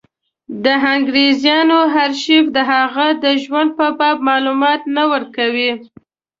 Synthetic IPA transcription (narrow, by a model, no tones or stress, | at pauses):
d̪əɦaŋɡɾezjɑnoɦaɾʃifd̪əɦaɣad̪əʒwand̪̚pəbɑb̚mɑlumɑt̪nawəɾkawi